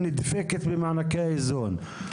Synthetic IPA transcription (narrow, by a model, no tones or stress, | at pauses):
nid̪feket̪bemaʕnakeaezon